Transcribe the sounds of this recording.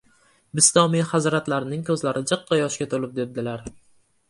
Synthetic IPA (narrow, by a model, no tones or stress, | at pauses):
bɪst̪ɒmijhazɾat̪laɾnɪŋkʲʰɵzlaɾɪd͡ʒɨqːɑjɒʃkʲat̪ʰolɪp̚d̪e̞b̚d̪ɪlaɾ